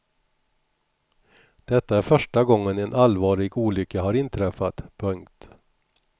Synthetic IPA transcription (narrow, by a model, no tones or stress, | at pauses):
d̪̥ɛt̪ːaæɾfœʂʈaɡɔŋːənɛnʔalvɑːɭɪɡuːlʏkːəɦaɾɪnt̪ʰɾɛfːat̪pʰɵŋkt̪